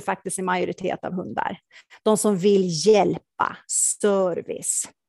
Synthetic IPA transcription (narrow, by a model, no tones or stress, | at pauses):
fak̚t̪ɪst̪ɪnmajʊɾɪt̪ʰḛːt̪a̰vɦɵnd̪a̰ɾd̪̥ɔmsɔmvɪljɛlpa̰sœɾvɪ̰s